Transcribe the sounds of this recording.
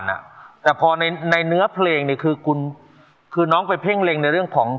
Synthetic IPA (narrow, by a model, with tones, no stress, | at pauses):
nʔa̰˨˩t̪ɛː˨˩pʰɔː˧na˧jna˧jnɯ˦˥ɐpʰleː˧ŋni˧˥˩kʰɯː˧kʰu˧n | kʰɯː˧nɔː˦˥ŋpa˧jpʰe˥˩ŋle˧ŋna˧jɾɯ˥˩əŋkʰɔː˩˦ŋ